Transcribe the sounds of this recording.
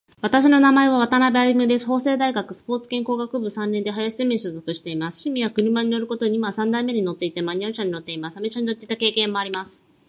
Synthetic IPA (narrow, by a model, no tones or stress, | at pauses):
βat̪aɕino̞namae̞βaβ̞at̪anabeaimɯ̟d̪e̞sɨ̥ho̞ːse̞ːd̪aiɡakɯ̟sɨ̥po̞ːt͡sɨ̥kẽ̞ŋko̞ːɡakɯ̟bɯ̟sãnːẽnd̪eɦajaɕi̥zemeɕɨzo̞kɯ̟ɕi̥t̪e̞imasɨ̥ɕimʲijakɯ̟ɾɯ̟maɲ̟ino̞ɾɯ̟ko̞t̪o̞ɲ̟ʲimasãnd̪aimːe̞ɲ̟ino̞t̪ːe̞it̪e̞maɲ̟iaɾɯ̟ɕãɲ̟ino̞t̪ːe̞imasɨ̥amet͡ɕaɲinot̪ːeit̪ake̞ːkẽ̞mːo̞aɾʲimasɨ̥